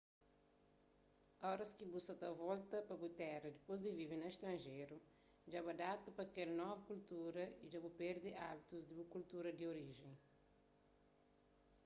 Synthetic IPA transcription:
ɔɾɐskibusɐt̪ɐvɔlt̪ɐpɐbut̪ɛrɐd̪ipozd̪ivivenɐeʃst̪ɾɐ̃nʒeɾu | d͡ʒabɐd̪at̪ɐpɐkɛlnɔvukult̪uɾɐid͡ʒabupeɾd̪iʔabit̪uzd̪ibukult̪uɾɐd̪ioɾiʒẽj̃

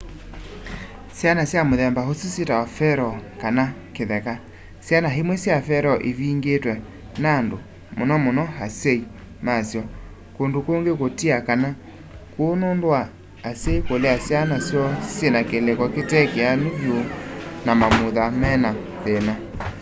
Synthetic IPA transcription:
sjanasjamoðɛmbaɦosisjetawafɛɾɔkanakeðɛka | sjanaɦemwesjafɛɾɔʔeβiːŋɡetwɛ | nando | monɔmonɔhasei | masjɔ | kondokoŋɡekotiakana | konondowaː | seikoleasjanasjɔsjenakelekɔketɛkeanuvjonamamoðamɛna | ðena

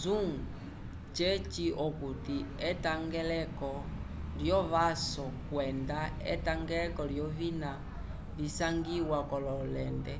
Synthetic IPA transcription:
zuŋ | t͡ʃɛt͡ʃiɔkutiɛtaŋɡɛlɛkɔ | ljɔβasɔkwɛndaɛ̰taŋɡɛlɛkɔɾjɔvina | lisaŋɡiwakɔlɔlɛndɛ

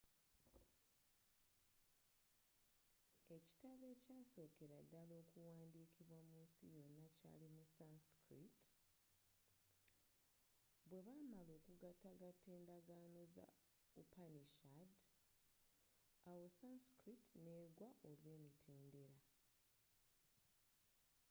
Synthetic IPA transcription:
e̞ci̥taβe̞ːcaːso̞ːke̞ɾadːalo̞ːkuwaːndiːkʰiβwamuːnsḭjo̞nːaca̰ːlimusanskɾit | βwe̞βamaloːkuɡataɡatːe̞ːndaɡaːno̞za̰ | upaniʃad | awo̞sanskɾitne̞ːɡwaʔo̞lwe̞ːmitʰeːnde̞ɾa

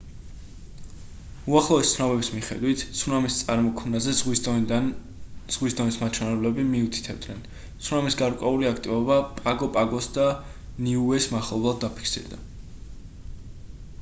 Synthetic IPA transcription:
uaχlˠɔɛst̪sʰnɔβɛbismiχɛ̰d̪wit̪ʰsunɔmist̪sʼaɾmɔkʰmnazɛz | z̥ʁwisd̪ɔnismat̪t͡ʃʰwɛnɛblɛbimiut̪ʰi̥t̪ʰɛbd̪nɛn | t̪sʰnɔmisɡaɾkʼwɛuliakʰt̪ʼivɔbapʼaɡɔpʼaɡɔsd̪aniuɛsmaχlˠɔblˠad̪̚ːapʰi̥kʰsḭɾd̪a

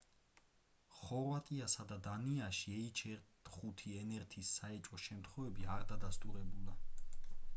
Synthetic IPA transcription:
χɔɾvat̪ʼiasad̪ad̪aniaʃiɛit͡ʃʰɛɾt̪χut̪ʰiɛnɛɾt̪ʰisːaɛt͡ʃʼɔʃɛmt̪ʰχɔvɛbiaɾd̪ad̪ast̪ʼuɾɛbulˠa

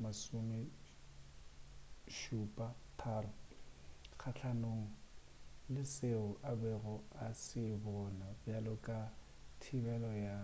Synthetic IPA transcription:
masumɪ | ʃupʼatʰaːrʊ | k͡xʰat͡ɬʰanoŋ̩ | lɪseʊʔabɛrɔasɪbɔnabjalʊkʼa | tʰibɛlɔja

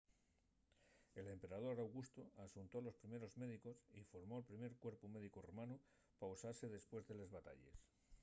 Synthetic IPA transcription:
e̞le̞mpe̞ɾað̞o̞ɾawɣ̞ust̪oasunt̪o̞alo̞spɾime̞ɾo̞zme̞ðiko̞sifo̞ɾmo̞elpɾime̞ɾkwe̞ɾpume̞ðikoromãnu | pausaɾse̞ðe̞spwe̞zðe̞le̞zβat̪a̰ʎe̞̰s

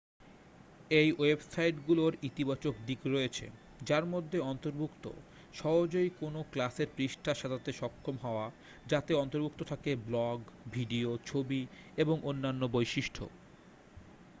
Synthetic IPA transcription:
ejwebsajʈɡuloɾit̪ibat͡ɕok̚d̪ikɾoet͡ɕʰḛ | d͡ʑaɾmod̪ʱːeɔnt̪oɾbʱukt̪o̰ | ʃɔɦod͡ʑoikonoklaseɾpɾiʃʈʰaʃad̪at̪eʃɔkʰːomɦɔoa | d͡ʑat̪eɔnt̪oɾbʱuk̚t̪ot̪ʰakeblɔɡbʱiɖiot͡ɕʰobieboŋʔonːanːobojʃiʃʈʰo̰

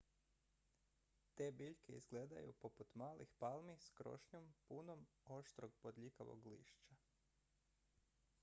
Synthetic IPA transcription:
t̪e̞ːbiʎkeḭzɡleːd̪a̰jṵpo̞put̪maːlʔixpalˠmiskɾo̞̰ʃɲompunom | o̞ʃt̪ɾoɡ̚pod̪ʎikaʋo̞̰ɡlḭːʃt͡ʃa

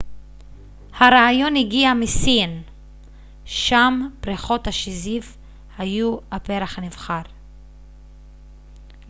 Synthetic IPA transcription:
haɾaːjo̞nhiɡiamisin | ʃampʁiχo̞thaʃiziv | hajuapeɾaχhanivχaʁ

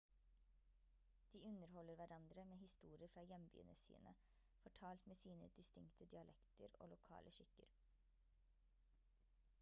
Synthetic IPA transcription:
d̪̥iːʉnəɾhɔləɾʋæɾɑnd̪ɾəmeːhɪst̪uːɾɪəɾfɾɑːjɛmby̰ːənəsḭːnə̰ | fɔʈʰɑːlt̪meːsiːnə̰d̪̥ɪst̪ɪŋkt̪ʰəd̪ɪɑlʔɛkt̪əɾo̰ːlʊkʰɑ̰ːləʃɪkə̰ɾ

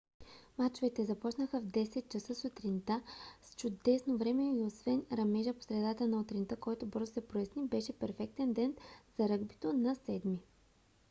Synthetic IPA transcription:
mat͡ʃʊvɛt̪ɛzɐpɔt͡ʃnəxəvd̪ɛsɛt̪̚t͡ʃɐsəsʊt̪ɾint̪ast͡ʃʊd̪ɛsnovɾɛmɛiosvɛnɾɐmɛʒəpo̥sɾɛd̪at̪ənɐot̪ɾint̪əkɔjt̪ʊbɤɾzʊsɛpɾojɛsnibɛʃɛpɛɾfɛk̚t̪ɛnd̪ɛnz̥ɐɾɤɡbit̪onɐsɛd̪mi

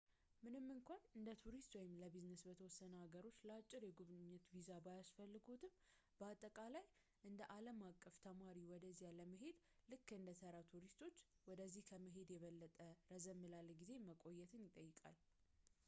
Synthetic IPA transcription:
mɨnɨmːɨŋkʷʰanɨnd̪ət̪ʰuɾist̪wɔjɪmləbiznəsbət̪ʰəwɔsːənəhaɡəɾo̞t͡ʃːləat͡ʃʼːɪɾjɛɡuβnɪɲːɛt̪vizabajasfəlːɨɡot̪ʰɨm | bəat̪ʼːəkʼalaj | ʔɨnd̪əʔaləmakʼːəft̪ʰəmaɾiwɔd̪əzːijaləməɦe̞d̪ | lɨkːɨnd̪əsʰəɾat̪ʰuɾist̪ʰo̞t͡ʃːwɔd̪əzːihkʰəməɦe̞d̪jɛβəlːət̪ʼəɾəzəmːɨlalɡize̞məkʼo̞jːɛt̪ʰɨnjɪt̪ʼːəjːɪkʼa̰l

